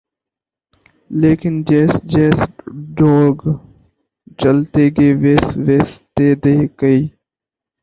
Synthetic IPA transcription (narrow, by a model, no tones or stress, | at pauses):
leːkɪnd͡ʒeːsd͡ʒeːsɖoːɡ | t͡ʃəlt̪eːɡeːʋeːsʋeːst̪eːd̪eːkəiː